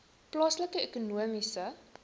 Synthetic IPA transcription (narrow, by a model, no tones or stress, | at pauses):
plɑːsləkəekunuəmisə